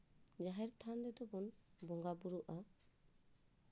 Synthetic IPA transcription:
d͡ʒaɦɛɾt̪ʰandɛd̪ɔbɔnbɔŋɡabuɾuʔa

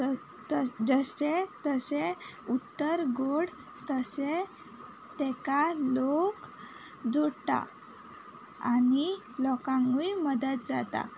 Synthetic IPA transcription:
d͡zəset̪əseut̪ːəɾɡoɽ | t̪əse | t̪ekalok | d͡zoɽt̪a̰ | a̰ni | lɔkãŋɡujməd̪ət̪̚d͡zat̪a̰

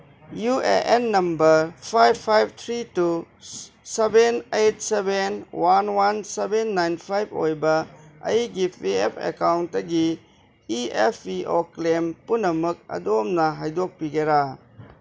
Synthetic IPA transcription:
juḛʔenːɐmbɐɾpʰajbʰajb̚t̪ʰɾitu | sebenejt̚sebenwanwansebenːajnpʰajbo̰jbɐɐ̰jɡipʰiepʰḛkawntːɐɡiː | epʰiʔoklempunːɐmuk̚ɐ̰domnɐɦajdok̚piɡeɾa

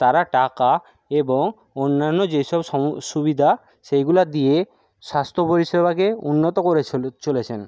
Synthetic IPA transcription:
t̪aɾaʈaka | eboŋ | onːanːod͡ʑeʃɔbɔʃubid̪ʱa | ʃejɡulad̪ije | ʃast̪ʰopoɾiʃebʱakeunːot̪okoɾet͡ɕolet͡ɕʰen

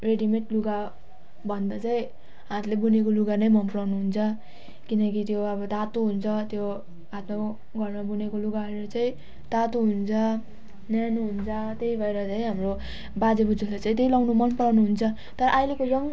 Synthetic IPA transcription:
reɖimeʈluɡa | bʱʌnd̪at͡saĩ | ɦãt̪lebunekoluɡanʌjmʌmplawnuɦunt͡sʰʌ | kinʌkit̪joʌbʌt̪at̪uɦunt͡sʰʌt̪jo | at̪mak | ɡʱʌrnmabunekoluɡaɦʌeɾʌt͡saĩ | t̪at̪uɦunt͡sʰʌ | njanuɦunt͡sʰʌt̪ejbʱʌeɾʌt͡saĩɦamro | bad͡zebud͡zuslajt͡saĩt̪̬eilawnumʌnpʌɽawnuɦunt͡sʰʌ | t̪ʌɾʌʔajlekod͡zʌŋ

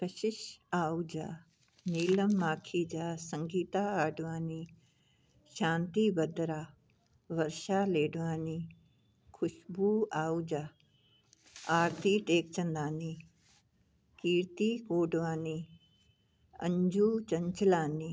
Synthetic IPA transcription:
kəʃɪʃaːud͡ʒaː | niːlɐmːaːkʰiːd͡ʒaːsəŋɡiːt̪aːaːɖʋaːniː | ʃãːnt̪ibɐd̪ɾaː | ʋɐɾʃaːleːɖʋaːniː | kʰʊʃbuːaːud͡ʒaː | aːɾt̪iːʈeːkt͡ʃɐ̃nd̪aːniː | kiːɾt̪iːkoːɖʋaːni | ɐ̰ɲd͡ʒuːt͡ʃɐɲt͡ʃlaːniː

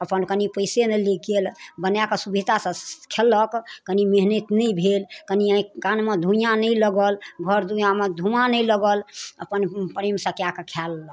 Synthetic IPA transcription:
əpənkənipəɪsenəliɡelbənjakesubʱit̪asə̃kʰelːəkkənimeɦnət̪nəjbʱelkəniə̃ĩkanmed̪ʱũjãnəjləɡəlɡʱəɾd̪ʱũjamed̪ʱumanəjləɡələ̰pənpɾemsə̃kjakekʰalːə

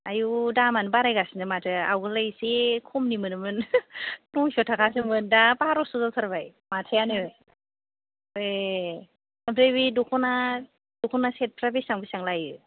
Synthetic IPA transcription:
ajudamanɯbaɾajɡasinɯmatʰɯa̰wɡɯlajsekʰɔmnimɯnɯmɯn | nɔŋsɔtʰakʰas̬ɯmɯndapaɾɔsuzalsʰaɾbaj | matʰɯjanɯ | e | abɾebidukʰɔna | dukʰɔnaset̚pʰɾabisaŋbisaŋlajɯ

